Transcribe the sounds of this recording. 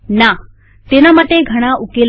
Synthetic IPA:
na | t̪enamaʈ̪eɡʱəɽ̃aʔukel

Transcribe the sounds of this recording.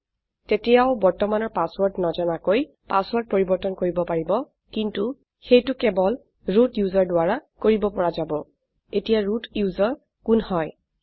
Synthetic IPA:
tetɛjaʊbɔɹtɔmanɔɹpaswɔɹtnɔd͡ʒɔnakoj | paswɔɹt̚poɹibɔɹtɔnkoɹibɔpaɹibɔ | kintu | xejtʊkɛbɔl | ɹutjuzɔɹdʊaɹakoɹibɔpɔɹazabɔ | etijaɹutjuzɔɹ | kunhɔj

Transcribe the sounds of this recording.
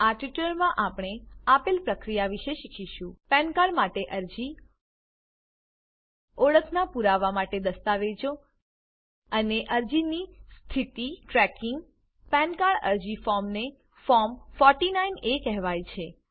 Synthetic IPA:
aʈʋiʈləɾmãʔapɽ̃eapelpɾəkɾijaʋiʃeʃikʰiʃũpɛ̃nkaɭmaʈeʔəɾd͡ʒi | oɭəkʰnapuɾaʋamaʈed̪əst̪aʋed͡ʒo | əneʔəɾd͡ʒinist̪ʰit̪iʈɾɛkɪŋɡ | pɛnkaɭə̰ɾd͡ʒifɔɾmne | fɔɾmfɔɾʈinainekɛɦʋajt͡ʃʰe

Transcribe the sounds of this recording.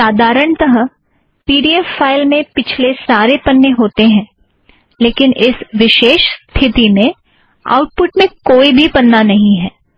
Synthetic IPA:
saːd̪ʱaːɾəɳ̃t̪ɐɦə | piːɖiːɛfːaːɪlmẽpɪt͡ʃʰlesaːɾepɐnːeɦoːt̪eɦɛ̃ː | leːkɪnʔɪsʋɪʃeːʃst̪ʰɪt̪inẽ | a̰ːʊʈ̚pʊʈmẽkoːibʱipɐnːanɐɦĩɦɛː

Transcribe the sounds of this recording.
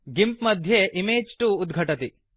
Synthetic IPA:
ɡimpmɐd̪ʱjeʔimeːd͡ʒʈuːd̪ɡʱɐʈɐt̪i

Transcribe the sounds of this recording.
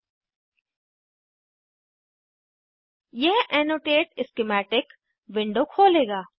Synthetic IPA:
jɛɦɛːnoːʈeːʈɪskemɛːʈɪk | ʋɪ̃ɳɖokʰoːleːɡaː

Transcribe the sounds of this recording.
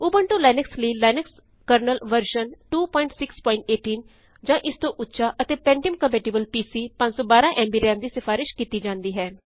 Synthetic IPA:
uːbəɳʈõːlɛːnəksləiːlɛːnəks | kəɾnəlʋəɾʃənʈuːpɔːɪ̃ɳʈsɪkspɔːɪ̃ɳʈeːʈiːn | d͡ʒãːʔɪst̪õːʔʊtːʃaːʔət̪eːpɛ̃ːɳɖɪəmkəmpeːʈiːbəlpiːsiːpə̃ɲd͡ʒsɔːbaːɾãːʔɛ̃ːmbiːɾɛːmd̪iːsɪfʰaːɾɪʃkiːt̪iːd͡ʒãːnd̪iːɦɛː

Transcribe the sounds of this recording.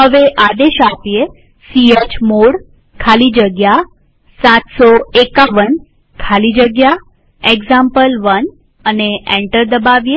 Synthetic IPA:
ɦəʋeʔad̪eɕapje | siet͡ɕmoɽ | kʰalid͡ʑəɡja | sat̪sɔekaʋən | kʰalid͡ʑəɡja | eɡzampəlʋən | əneɛ̃ɳʈəɾd̪əbaʋje

